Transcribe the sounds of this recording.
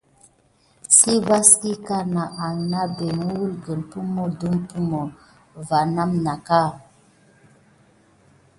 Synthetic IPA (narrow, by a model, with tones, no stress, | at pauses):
si˦va˦ski˦ka˦na˨ʔa˨na˦be˨m˦wu˦lɡə˨npu˦mɔ˦du˦mpu˦mɔ˨ | va˨na˦mna˨ka˦˨